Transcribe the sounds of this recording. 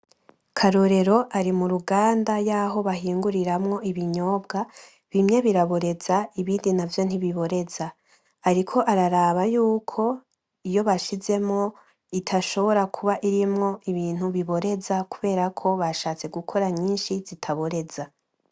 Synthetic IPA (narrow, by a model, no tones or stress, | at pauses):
kʰaɾo̞ɾe̞ɾo̞ʔaɾimuɾuɡaːndajaːɦo̞βaɦiːŋɡuɾiɾamŋo̞iβiɲo̞ːbɡa | βimɲe̞βiɾaβoɾe̞zaiβiːndinavjo̞n̥iβiβo̞ɾe̞zaː | ɾikʰo̞ʔaɾaɾaːβajuːkʰo̞ | ijo̞βaʃize̞mŋo̞ | itʰaʃo̞βo̞ɾakʰuβaʔiɾimŋo̞iβiːn̥huβiβo̞ɾe̞zakuβe̞ːɾakʰo̞βaʃaːt͡se̞ɡukʰo̞ɾaɲiːnʃizitʰaβo̞ɾe̞za